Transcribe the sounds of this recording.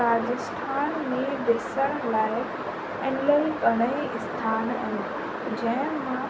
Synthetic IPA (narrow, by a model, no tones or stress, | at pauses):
aːd͡ʑəsʈʰaːnmẽd̪eːsəɽ̃laːɪ | ɛ̃nlelkɐɽ̃əiɪst̪ʰaːnə̃n | d͡ʑɐ̃ɦɪ̃mã